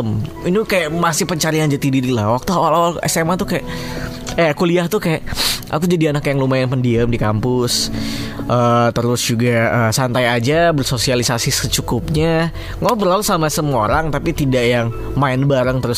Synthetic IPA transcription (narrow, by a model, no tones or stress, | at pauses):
əminikajaʔmasɪhpəɲt͡ʃaɾiand͡ʒat̪ididilahwak̚t̪uawalawalɛ̰semat̪ʊkajaʔ | aakuliaht̪ʊhkajaʔʔa̰kud͡ʒadianakjaŋlumaɪnpəndiəmdikampʊs | ʔət̪əɾʊsd͡ʒuɡaəsant̪ajad͡ʒabərsosialisasɪsət͡ʃukʊp̚ɲa | ŋabərlalusamasəmoɾaŋt̪apit̪idaʔjaŋ | maɪnbaɾəŋt̪əɾʊs